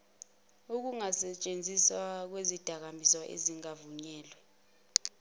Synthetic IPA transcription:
uk̬uŋasɛt͡ʃʼend͡zʱiswak̬wezid̥ʱak̬ambʱisɔʔḛziŋavuɲɛːlwɛ

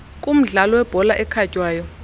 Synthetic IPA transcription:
kʼum̩ɮalɔwɛb̥ʱɔlaʔɛkʰacʼwaːjɔ

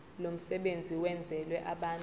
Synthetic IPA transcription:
lom̩sɛɓend͡zʱiwɛnd͡zʱɛlwɛʔaɓaːn

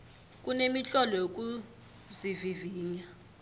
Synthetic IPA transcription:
k̬ʼunemiɬɔlɔjok̬ʼu | ziviviːɲa

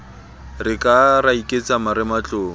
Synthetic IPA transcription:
rɪkʼaraikʼet͡samaɾɪmat͡ɬʊː

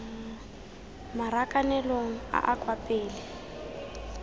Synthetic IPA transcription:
maɾakanɛloŋ̩a̰ʔakʼwapʼeːlɛ

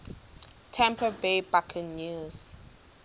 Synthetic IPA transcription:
tʰɛ̃mpəbeːbakʰə̃nːjuːz̥

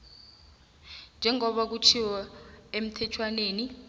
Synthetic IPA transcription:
nd͡ʒʱɛŋɔɓak̬utʰiwɔem̩tʰɛt͡ʃʰwaneːni

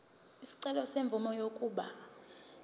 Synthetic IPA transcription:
isi̥ǀɛlɔseɱb̪vʱumɔjokʼuːɓa

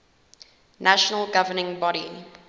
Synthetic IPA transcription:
nʔaʃɔnəlɡavənɪ̃ŋbɔɾi

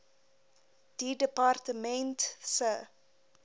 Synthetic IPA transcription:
d̥idəpɑrtəmɛntsə

